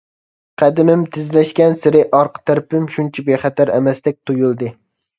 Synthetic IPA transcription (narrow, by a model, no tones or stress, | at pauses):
qʰæd̪ɪmɪmt̪ʰɪzlɛʃkʲɛnsɪɾɪʔɑɾqt̪ʰæɾpɪmʃunt͡ʃʰɛbeχæt̪ʰæɾɛmɛsd̪ɛk̚ʲt̪ʰujulˠd̪ɨ